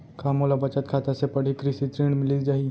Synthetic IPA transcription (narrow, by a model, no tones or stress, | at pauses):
kʰamolabət͡ʃət̪̚kʰat̪asepəɽ̤ikɾisit̪ɾiːɳmɪliːd͡ʒaɦi